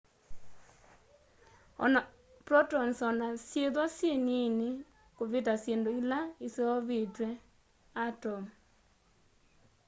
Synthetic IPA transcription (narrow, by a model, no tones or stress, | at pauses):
ɔ̰nɔ | pɾɔtɔnsɔnasjeðwasjenine | koβetasjendoilaeseɔβetwɛ | atɔ